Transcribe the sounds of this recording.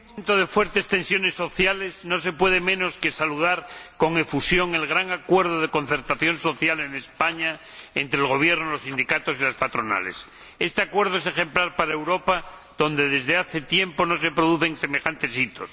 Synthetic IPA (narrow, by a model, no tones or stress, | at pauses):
ent̪oð̞e̞fwe̞ɾt̪e̞st̪ẽ̞nsjo̞ne̞sːo̞θjale̞zno̞s̬e̞pwe̞ðe̞mẽ̞no̞ske̞saluðaɾko̞ŋe̞fusjo̞ŋe̞lɣ̞ɾaŋakwe̞ɾð̞oð̞eko̞nθe̞ɾt̪aθjo̞nso̞θjale̞nespaɲa | ent̪ɾeːlɣo̞β̞je̞ɾnolosind̪ikat̪o̞silaspat̪ɾo̞na̰le̞̰s | e̞st̪eakwe̞ɾð̞oesexe̞mplaɾpaɾaewɾo̞pa | ðo̞nd̪e̞ðe̞zðeaθe̞t̪je̞mpo̞no̞s̬e̞pɾoðuθe̞ŋse̞me̞xant̪e̞sit̪os